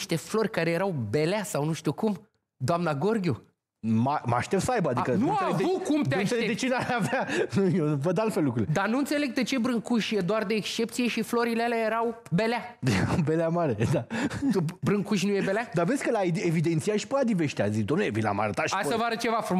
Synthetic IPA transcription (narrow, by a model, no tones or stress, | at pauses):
ʃt̪e̞flo̞rʲkaɾe̞je̞ɾawbe̞leasawnuʃt̪ukum | d̪oamnaɡo̞rɡʲu | mama̰ʃt̪ep̚t̪səajbəad̪ikənuaevukumtd̪eaʃeleed̪et͡ʃenaleavanujevəd̪alt̪felukɾuiled̪anuɨnt̪sele̞ɡ̚d̪et͡ʃe̞bɾɨŋkuʃjed̪oard̪e̞ːkst͡ʃe̞p̚t̪sije̞ʃiflo̞ɾilealeaje̞ɾaw | be̞leaɾawbeleamaɾed̪at̪ubɾɨŋkuʃnujebe̞lead̪avesʲkəlaeevid̪e̞nt̪sijaʃi̥pəad̪iveʃt̪ea̰zid̪omneevinla̰ma̰ɾət̪at̪ʃiaasəvaɾət͡ʃe̞vafɾum